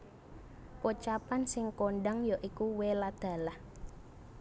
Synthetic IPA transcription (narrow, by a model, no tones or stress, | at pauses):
pot͡ʃapansɪŋkoɳɖaŋjɔʔikuwelad̪̥a̤lah